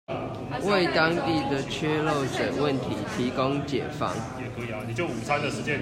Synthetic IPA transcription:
we˥˨ɪt̪ɑ˦˥ŋt̪i˥˨d̪ə˨t͡ɕʰɥɛ˦lo˥˨ʊʈ͡ʂə˨˩nwə˥˨nt̪ʰi˨˦t̪ʰi˨˦ko˦ŋt͡ɕjɛ̰˨˩fɑ̰˦ŋ | ni˨˩t͡ɕjo˥˩ʊu˨˩t͡sʰa˥˦nd̪ə˨ʂɻ̩˧˥t͡ɕjɛ˥n

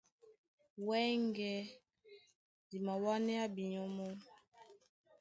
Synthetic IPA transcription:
wɛ˦ŋɡɛ˦ | di˨ma˨wa˦nɛ˦a˦bi˨ɲɔ˦mɔ˦

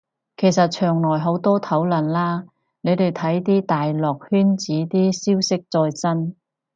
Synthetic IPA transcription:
kʰe˨˩jsɐ˨t̚t͡ʃʰœː˨˩ŋlɔː˨˩jɦo˨˥wt̪ɔː˥t̪ʰɐ˨˥wlɐ˨˩nlaː˥ | ne˨˧jt̪e˨˩jt̪ʰɐ˨˥jt̪iː˥t̪aː˨jlɔː˨k̚hyː˥nt͡siː˨˥t̪iː˥siː˥wsɪ˥k̚t͡sɔː˧jt͡sɐ˥n

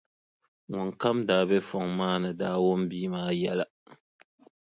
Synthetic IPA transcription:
ŋɔ˨ŋka˦mdaː˨be˦fɔ˨ŋmaː˦nɨ˨daː˦wo˦m˦biː˦maː˨˦˨jɛ˦la˨

